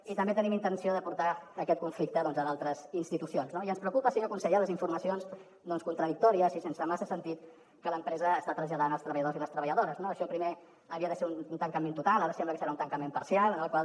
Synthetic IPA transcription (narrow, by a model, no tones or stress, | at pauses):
it̪əmbet̪ənimint̪ənsioðəpuɾt̪aːkɛt̪̚kuɱflik̚t̪əðɔnzəalˠt̪ɾəzinst̪it̪usionznoiənspɾəuwkupəsinokunsəʎaləziɱfuɾməsionz | d̪ɔnskunt̪ɾəðik̚t̪ɔɾiəsisensəmasəsənt̪it̪̚ | kələmpɾɛzəːst̪at̪ɾəzʎəðanəlˠst̪ɾəβəʎəðoziləst̪ɾəβəʎəðoɾəznoəʃɔpɾime | əβiəðəseununt̪əŋkəment̪ut̪alˠaɾəsɛmbləkəsəɾaunt̪əŋkəmempəɾsialˠənəlˠkwalˠ